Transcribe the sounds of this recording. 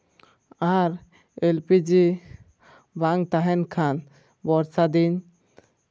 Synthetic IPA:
aɾ | elpid͡ʒi | baŋt̪aɦɛnkʰan | bɔɾsad̪in

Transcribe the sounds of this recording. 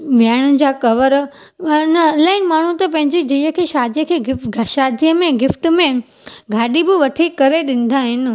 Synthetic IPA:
mjaːɪɽ̃ʊd͡ʑaːkɐʋəɾ | nlaːɪnɪmaːɳ̤ũt̪ɐpɐ̃ɦɪ̃ɲd͡ʑid̪ʱijəkʰeːʃaːd̪ijəkʰeːɡɪʃaːd̪ʱijəmẽɡɪfʈmẽ | ɡʱaːɗibɪʋɐʈʰikɐɾeɗɪ̃n̆d̪aːɦɪnɪ̆

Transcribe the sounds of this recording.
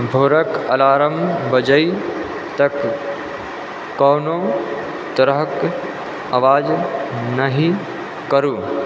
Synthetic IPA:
bʱoːɾəkɐlaːɾəmbɐd͡ʒəi | t̪ɐk | oːno | t̪ɐɾəɦk | ɐʋaːd͡ʒnɐɦĩ | kɐɾuː

